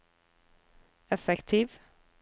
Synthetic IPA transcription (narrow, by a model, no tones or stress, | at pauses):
ɛfɛkt̪ʰiːʋ